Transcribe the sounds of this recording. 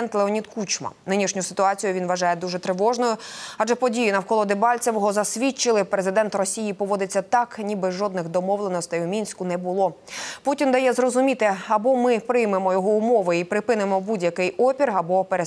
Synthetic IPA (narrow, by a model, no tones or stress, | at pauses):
nt̪lˠeɔnʲid̪kut͡ʃmɐ̰nɪnʲiʃnʲʊsɪ̥t̪ʊɑt͡sʲijʊʋʲinʋɐʒɑjɛd̪uʒɛt̪ɾɪʋɔʒnɔjʊɑd͡ʒɛpɔdʲijinɐwkɔlˠɔd̪ɪbɑlʲt͡sʲɐʋjɔɦɔzɐsʲʋʲit͡ʃːɪlˠɪpɾezɪd̪ɛnt̪rɔsʲijipɔʋɔd̪ɪt͡sʲːɐt̪ɑknʲibɪʒɔd̪nɪɣd̪ɔmɔʋlˠenɔst̪ɪjʊmʲinʲsʲkʊnɛbʊlˠɔ | putʲind̪ɐjɛzrɔzʊmʲit̪ɪɐbɔmɪpɾɪjmemɔjɔɦɔʊmɔʋɪipɾɪpɪnemɔbudʲjɐkɪjɔpʲirɐbɔpeɾe